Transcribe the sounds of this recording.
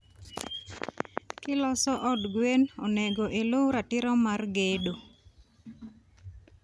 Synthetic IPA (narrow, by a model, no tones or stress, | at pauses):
kɪlɔsɔʔɔdɡwenɔnɛɡoʔelowɾatɪɾɔmarɡedo